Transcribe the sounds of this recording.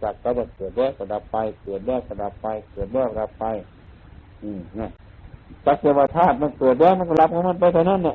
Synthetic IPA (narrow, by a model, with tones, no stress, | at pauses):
t͡ɕa˨˧˩k̚ka˧˩da˧˩kɤː˨˩t̪̚dɛː˧˩˨wkɔː˧˩da˨˧˦pːa˧jkɤː˨˩t̪̚dɛː˧˩wkɔː˧˩da˧˦pːa˧jkɤː˨˩t̪̚dɛː˧˩wk̚la˧˥pːa˧j | ʔɯː˧˩na˧˩ | t͡ɕa˧˦˥k̚t̪i˧˩waː˧˩t̪ʰaː˥˩t̪̚ma˧˥˨pɤː˨˩t̪̚lɛː˧˩˨wma˧˥˨kɔ˧˨la˧˦˥p̚kʰa˧˨ma˧˥˨npa˧jt̪ʰa˧na˧˥˨nːa˧˨ʔ